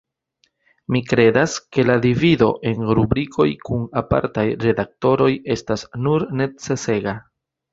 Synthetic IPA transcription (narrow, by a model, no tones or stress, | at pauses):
mikɾe̞daske̞ladivido̞̰ʔe̞nɾubɾikʰo̞jkunapa̰ɾtajɾe̞dak̚to̞ɾo̞je̞stasnuɾne̞t͡se̞se̞ɡa